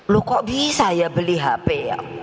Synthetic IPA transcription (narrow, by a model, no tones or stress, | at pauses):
lukɔʔbisajabəliɦapɛja̰